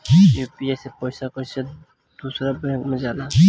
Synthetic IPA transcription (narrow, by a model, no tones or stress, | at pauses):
ijuːpiasepɔjsakɔɪsa | d̪̥uːsɾabɛ̃kmẽd͡ʒaːla